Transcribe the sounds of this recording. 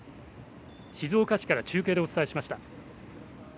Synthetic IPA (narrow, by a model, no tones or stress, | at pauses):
ɕizo̞ːkaɕi̥kaɾat͡ɕɨːke̞ːd̪e̞o̞t͡sɨ̥t̪aeɕimaɕi̥t̪a